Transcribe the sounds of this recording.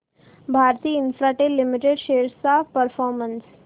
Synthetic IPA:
bʱaːɾt̪iːəɪnfɾaʈellimiʈeɖʃeːɾsapəɾfɔːɾməns

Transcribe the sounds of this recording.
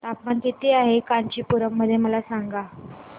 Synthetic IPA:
t̪apʋankit̪iaɦekaɳt͡ɕiːpuɾəmːəd̪ʱːjeməlasaŋɡa

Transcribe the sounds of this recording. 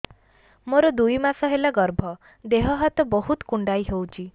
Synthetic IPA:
moɾɔd̪ujmasɔɦelaɡɔɾbʱɔ | d̪eɦɔɦɔt̪ɔbɔɦut̪kuɳɖajɦewt͡ʃʰi

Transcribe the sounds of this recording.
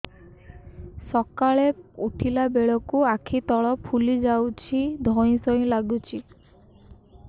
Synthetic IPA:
sɔkaɭeuʈʰilabeɭɔkuakʰit̪ɔɭɔpʰulid͡ʒawt͡ʃʰid̪ʱɔj̃sɔj̃laɡut͡ʃʰi

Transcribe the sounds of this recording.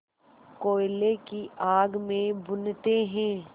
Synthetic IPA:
koːjɪlekiʔaːɡmẽbʊnt̪eɦɛ̃ː

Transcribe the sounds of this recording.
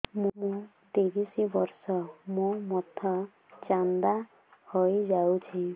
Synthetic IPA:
mũmũ | t̪iɾisibɔɾsɔmũmɔt̪ʰɔ | t͡ʃand̪a | hojd͡ʒawt͡ʃʰi

